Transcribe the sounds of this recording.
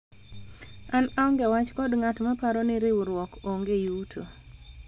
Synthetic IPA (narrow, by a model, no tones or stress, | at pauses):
anaɔŋɡɛwat͡ʃkɔdŋatmapaɾɔnɪɾɪwɾwɔkoŋɡejutʰo